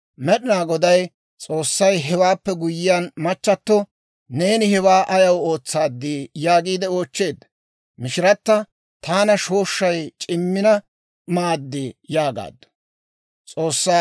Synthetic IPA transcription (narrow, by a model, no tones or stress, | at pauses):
mɛɗɪnaːɡɔd̪ɐj | t͡sʼo̞ːsːɐjɦɛwaːpːɛɡʊjɪjaːnmɐt͡ʃːɐt̪ːɔ | ne̞ːnɪhɛwaːʔɐjɐwo̞ːt͡sːaːd̪ːijaːɡiːd̪ɛo̞ːt͡ʃːe̞ːd̪ːɐ | mɪʃɪɾɐt̪ːɐ | t̪ʰaːnɐʃo̞ːʃːɐjt͡ʃʼɪmːɪnɐ | maːd̪ːɪjaːɡa̰ːd̪ːɐ̥ | t͡sʼo̞ːsːɐ